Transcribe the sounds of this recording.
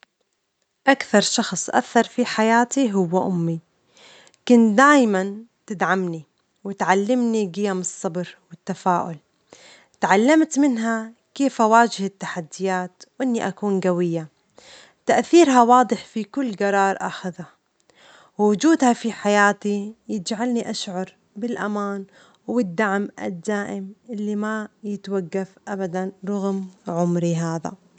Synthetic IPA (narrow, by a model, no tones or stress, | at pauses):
ʔakθɑɾˤʃɑxsˤʔa̰θːɑɾˤfiħajaːt̪iɦʊwːaʔʊmːi | kʊnd̪aːjmant̪ɪd̪ʕamni | wɪt̪ʕalːɪmniɡɪjamɨsˤːɑbɾwɪt̪ːafaːʔʊl | t̪ʕalːamt̪mɪnɦa | keːfawaːd͡ʒɪhɪt̪ːaħad̪ːɪjaːt̪wʔɪnːiʔakuːnɡawɪjːa | t̪aʔθiːɾɦawɑːd̪ˤɨħfikʊlːɡɑɾˤɑːɾˤʔaxaða | wwʊd͡ʒuːd̪hafiħajaːt̪ijɪd͡ʒʕalniʔaʃʕɑɾˤ | bɪlʔamaːn | wɪd̪ːaʕmʔa̰d̪ːaːʔɪmʔɪlːimajɪt̪waɡːafʔabad̪anɾˤɑɣmʕʊmɾiɦaːða̰